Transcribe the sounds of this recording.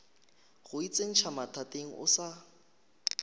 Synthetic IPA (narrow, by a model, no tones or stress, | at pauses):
ɣʊit͡sʼeŋ̩t͡ʃʰamatʰatʼeŋ̩ʔʊ̰sa